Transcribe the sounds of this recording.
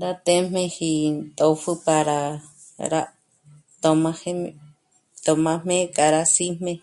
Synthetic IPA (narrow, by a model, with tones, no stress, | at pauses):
dat̪e˦mẽhi˧t̪ʼo˧fɨ˧pa˧ɾa | ɾa | t̪o˧mãhe | t̪o˧mã˧mẽ˦kʼa˨ɾasi˦m̥ẽ